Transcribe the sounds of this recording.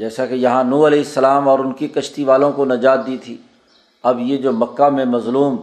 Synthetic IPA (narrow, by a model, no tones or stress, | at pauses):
d͡ʒɛːsakejɐɦãnuːɐlɛːɪsːɐlaːmɔːɾʊnkikɐʃt̪iʋaːlõkonɐd͡ʒaːt̪̚d̪iːt̪ʰiː | ɐbjed͡ʒoːmɐkːamẽmɐzluːm